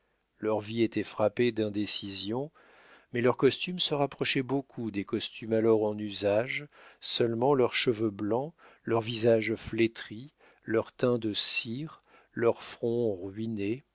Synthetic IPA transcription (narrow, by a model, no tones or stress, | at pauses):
lœʁviet̪ɛfχaped̪ɛ̃d̪esizjɔ̃ | mɛlœʁkɔst̪ymsəʁapχɔʃɛbokʰud̪ekɔst̪ʰymalɔʁɑ̃nyzaʒsœlmɑ̃lœʁʃəvøblɑ̃ | lœʁvizaʒflet̪χi | lœʁt̪ɛ̃d̪əsiʁ | lœʁfχɔ̃ʁɥine